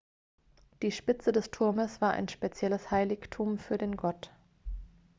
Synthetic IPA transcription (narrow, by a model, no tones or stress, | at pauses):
d̥iːʃpɪt͡sədɛstʰʊɐməsv̥aːɐʔa̰ɪnʃpet͡sjɛləshaɪlɪçtʰuːmfyːɐdeːnɡɔt